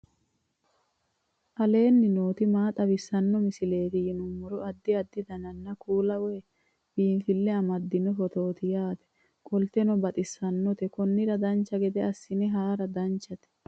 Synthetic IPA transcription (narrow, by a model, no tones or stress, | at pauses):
ʔɐle̞ːnːɪnoːt̪ɪmaːt̪ʼɐbɪsːɐnːɔmɪsɪle̞ːt̪ɪjɪnʊmːɔɾʊɐd̪ːɪɐd̪ːɪd̪ɐnɐnːɐkuːlɐweː | b̥iːnfɪlːɛɐmɐd̪ːɪnɔfɔt̪o̞ːt̪ɪjaːt̪ɛ̥ | kʼɔlt̪ɛnɔbɐt̪ʼɪsːɐnːɔt̪ɛkɔnːɪɾɐd̪ɐnt͡ʃːɐɡɛd̪ɛɐsːɪnɛɦaːɾɐd̪ɐnt͡ʃːɐt̪ɛ̥